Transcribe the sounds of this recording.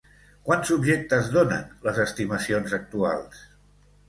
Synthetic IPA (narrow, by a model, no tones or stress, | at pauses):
kwanzubʒek̚t̪əzðonə̰nləzəst̪iməsionzək̚t̪ua̰lˠs